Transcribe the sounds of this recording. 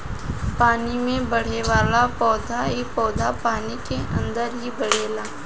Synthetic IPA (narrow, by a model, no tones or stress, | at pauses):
paːnimẽbɐɽ̤eʋaːlapɔːd̪ʱaipɔːd̪ʱapaːnikeʔɐ̰̃nd̪əɾɦibɐɽ̤eːlaː